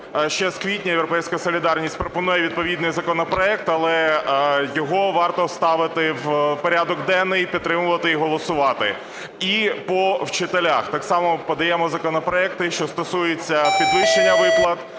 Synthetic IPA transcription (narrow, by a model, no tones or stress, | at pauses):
ʃt͡ʃɛskʋʲitʲnʲɐjewɾɔpɛjsʲkɐsɔlʲid̪ɑrnʲisʲtʲpɾɔpɔnujɛʋʲid̪̚pɔʋʲid̪nɪjzɐkɔnɔpɾɔɛk̚t̪ɐlˠɛ | jɔɦɔʋɑrt̪ɔst̪ɑʋɪt̪ɪwpɔɾʲad̪ɔɡd̪ɛnːɪjpʲid̪t̪ːɾɪmʊʋɐt̪ɪiɦɔlˠɔsʊʋɑt̪ɪ | ipɔwt͡ʃɪt̪elʲaxt̪ɑksɑmɔpɐd̪ɐjɛmɔzɐkɔnɔpɾɔɛk̚t̪ɪʃt͡ʃɔst̪ɔsujet͡sʲːɐpʲid̪lˠɪʃenʲːɐʋɪplˠɐt̪